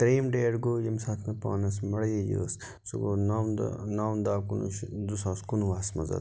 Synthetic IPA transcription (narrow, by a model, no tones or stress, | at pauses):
t̪ɾeːmɖeːɽɡoːjimsaːt̪ʰmɐpa̰ːnɐsmɐɽɐjed͡ʒə̰ːs | suɡona̰naːnd̪aːkunuʃd̪usaːskunuʋaːsmɐzɐ̰d̪